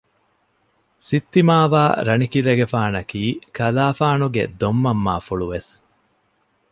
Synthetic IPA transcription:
sit̪ːimaːʋa̰ːɾɐnikileɡefaːnɐkiːkɐlaːfaːnuɡḛd̪omːɐmːa̰ːfuɭuʋes

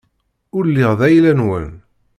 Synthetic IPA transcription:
ʊɾlːiʁðæjlænwə̰n

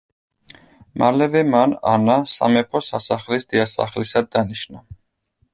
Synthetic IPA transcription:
malɛvɛmana̰nasa̰mɛpʰɔsasaχlisd̪iasa̰χlisad̪ːaniʃna

